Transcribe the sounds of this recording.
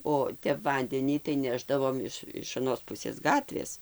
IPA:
oː ˈtʲɛp ˈʋɐnʲdʲɛnʲiː tɐɪ ˈnʲæːʒdɐʋoːm ɪʃ ɪʃ ɐˈnoːs ˈpʊsʲeːs ˈɡɑːtʲʋʲeːs

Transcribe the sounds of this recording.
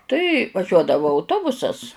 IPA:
ˈtɐɪ ʋɐˈʒʲuɔdɐʋʊ ɐʊˈtoːbʊsɐs

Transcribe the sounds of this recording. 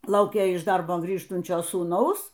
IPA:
ˈlˠɐʊkʲeː ɪʃ ˈdɐrboː ˈɡrʲiːʃtʊnʲt͡ʃʲoː suːˈnɐʊs

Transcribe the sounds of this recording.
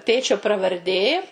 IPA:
ˈtʲeːt͡ʃʲoː prɐʋɐrʲˈdʲeː

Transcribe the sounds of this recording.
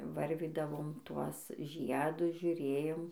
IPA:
ˈʋɐrʲʋʲiːdɐʋoːm ˈtuɔs ˈʒʲiɛdʊs ʒʲʊˈrʲeːjoːm

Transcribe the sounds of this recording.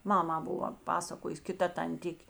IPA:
ˈmɑːmɑː ˈbʊʋɐ ˈpɑːsɐkoːjʊs kʲɪˈtɐ tɐnʲˈtʲɪkʲ

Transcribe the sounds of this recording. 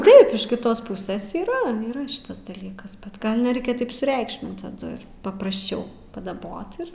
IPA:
ˈtɐɪp ɪʃ kʲɪˈtoːs ˈpʊsʲeːs iːˈrɐ iːˈrɐ ˈʃʲɪtɐs dɐˈlʲiːkɐs bʲɛt ˈɡɐlˠ nʲɛˈrʲɛɪkʲɛ tɐɪp sʊˈrʲɛɪkʃʲmʲɪnt tɐˈdʊ ɪr pɐprɐsʲˈt͡ʃʲɛʊ pɐdɐˈboːt ɪr

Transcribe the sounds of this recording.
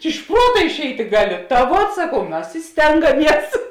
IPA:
ɪʃ ˈpruɔtɐ ɪʃʲˈɛɪtʲɪ ˈɡɑːˌlʲɪ tɐ ˈʋuɔt sɐˈkɐʊ ˈmɐs ɪ ˈsʲtʲɛŋɡɐˌmʲiɛs

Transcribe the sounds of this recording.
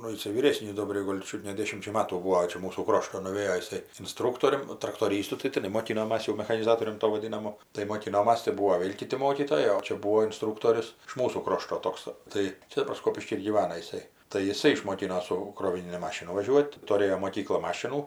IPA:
ˈnʊ jɪˈsɐɪ ʋʲiːˈrʲeːsʲnʲiːs ˈdoːbʲrʲɛɪ ˈɡoːlʲ ˈt͡ʃʲʊt nʲɛ ˈdʲeːʃʲɪmʲt͡ʃʲɛ ˈmɑːtuː ˈbuːoː ˈt͡ʃʲɛ ˈmuːsuː ˈkroːʃtoː nʊˈʋʲeːjoː jɪˈsɐɪ ɪnˈstruːktoːrʲʊm ˈnʊ trɐktoːˈrʲiːstʊ tɐɪ tʲɪˈnɐɪ moːˈkʲɪnoːmɐs jɛʊ mʲɛxɐnʲɪˈzɑːtoːrʲʊm ˈtoː ʋɐˈdʲɪnɐmʊ tɐɪ moːˈkʲɪnoːmɐs tɐɪ ˈbuɔ ˈʋʲeːlʲ ˈkʲɪtʲɪ ˈmoːkʲiːtoːjɛɪ oː ˈt͡ʃʲɛ ˈbuːoː ɪnˈstruːktoːrʲʊs ɪʃ ˈmuːsuː ˈkroːʃtoː ˈtoːks ˈtɐɪ ˈt͡ʃʲɛ dɐˈbɐr ˈskoːpʲɪʃʲkʲiː ɪr ɡʲiːˈʋɑːnɐ jɪˈsɐɪ tɐɪ jɪˈsɐɪ ɪʃmoːˈkʲɪnoː ˈsʊ kroːʋʲɪˈnʲɪnʲɪ ˈmɑːʃʲɪnʊ ʋɐˈʒʲuɔtʲ tʊˈrʲeːjoː moːˈkʲiːklˠɐ ˈmɑːʃʲɪnuː

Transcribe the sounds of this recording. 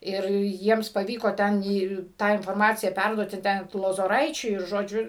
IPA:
ˈɪr ˈjiɛms pɐˈʋʲiːkoː ˈtʲɛn ˈiː ˈtɑː ɪnfoːrˈmɑːt͡sʲɪjæː ˈpʲɛrduɔtʲɪ ˈtʲɛn t lˠoːzoːˈrɐɪt͡ʃʲʊɪ ɪr ˈʒoːd͡ʒʲʊ

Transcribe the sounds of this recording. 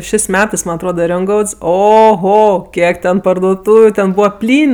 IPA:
ʃʲeːsʲ ˈmʲæːtɜs ˈmɐnʲ ɐtˈroːdɐ ˈrʲoːŋɡɐʊts oːˈɣoː ˈkʲiɛk tʲɛn pɐrdoːˈtuːʋʲʊ ˈtʲɛn ˈbuːʋɐ ˈpʲlʲiːnʲ

